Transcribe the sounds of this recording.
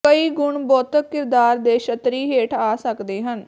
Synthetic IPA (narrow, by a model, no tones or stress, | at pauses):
kəiːɡʊɳbɔːt̪əkːɪɾd̪aːɾd̪eːʃət̪ɾiːɦeːʈʰaːsəkd̪eːɦən